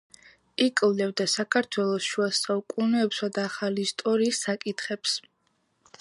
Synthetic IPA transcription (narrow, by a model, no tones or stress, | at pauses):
ikʼvlɛvd̪asakʰaɾt̪ʰwɛlˠɔsʃuasaukʼunɛːpsad̪aːχaliːst̪ʼɔɾiːsːakʼit̪ʰχɛps